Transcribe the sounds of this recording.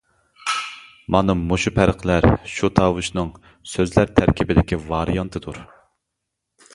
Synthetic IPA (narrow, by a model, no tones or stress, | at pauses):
mɑnɨmoʃupʰæɾqʰlæɾʃut̪ʰɑːwuʃnɨŋ | søzlæɾt̪ʰæɾkʲʰibɪd̪ɪkʲivɑɾijɑnt̪ʰɨd̪uɾ